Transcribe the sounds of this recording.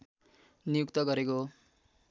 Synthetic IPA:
nijukt̪ʌɡʌɾeko

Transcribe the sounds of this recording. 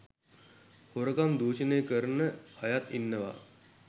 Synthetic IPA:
hoɾəkamd̪uːʃəneːkəɾənəajat̪inːəʋa̰

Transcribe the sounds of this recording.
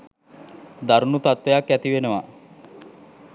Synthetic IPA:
d̪aɾunut̪at̪ʋejakːæt̪iʋenəʋa̰

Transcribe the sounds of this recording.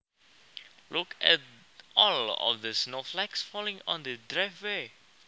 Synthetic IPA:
lʔukʰɛt̚ | ɔlɔ̰fdəsnoflɛksfɔlĩŋɔ̰̃ndədɹaɪfwe

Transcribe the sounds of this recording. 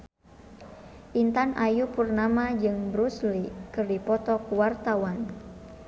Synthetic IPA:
ʔint̪anʔajupurnamad͡ʒɨŋbɾuslikɨrdipɔt̪ɔkuwart̪awan

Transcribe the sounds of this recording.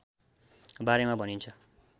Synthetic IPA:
baɾemabʱʌnint͡sʰʌ

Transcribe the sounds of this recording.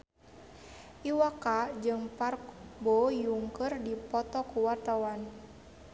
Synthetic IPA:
ʔiwakad͡ʒɨŋpark̚bojuŋkərdipɔt̪ɔkuwart̪awan

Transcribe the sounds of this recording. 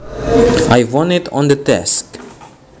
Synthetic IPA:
ʔajwɔ̃nɪtʰɔ̰̃nd̪ətɛsk

